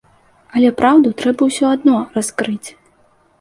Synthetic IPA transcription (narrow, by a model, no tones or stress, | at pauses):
ɐlʲɛpɾʔawd̪ut̪ɾɛbɐwsʲɔad̪nɔraskɾɨt͡sʲ